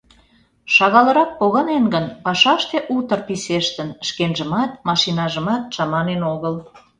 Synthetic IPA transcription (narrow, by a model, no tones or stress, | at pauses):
ʃɑɣɑləɾɑk̚poɣɑnenɡənpɑʃɑʃt̪eʔut̪ərpiseʃt̪ənʃkenʒəmɑt̪̚mɑʃinɑʒəmɑt̪̚t͡ʃɑmɑnenoɣəl